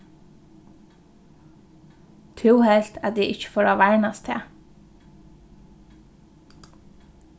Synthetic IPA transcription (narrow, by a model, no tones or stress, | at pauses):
t̪ʰʉːhɛlt̪ʰæd̪ḭːʔɪçə̥foːɾoːʋæɪnɑst̪ʰḛː